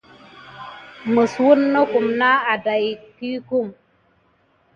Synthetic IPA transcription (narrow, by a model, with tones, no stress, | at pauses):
mə˨swu˦nːə˦ku˨mna˦a˨da˨jki˦ku˦˨ŋ